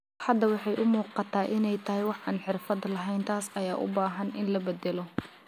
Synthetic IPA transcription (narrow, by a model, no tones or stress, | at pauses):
ħɐd̪ɐwɑħɑjʔʊmuːqɑt̪ʰaːʔɪnɛjt̪ʰɐɦɪjwɑħʔa̰ːnħɪrfɐd̪lɐɦɛjnt̪ʰaːsɐjaːʔʊ̰baːɦɐnʔɪnlɐbɛd̪ɛlɔ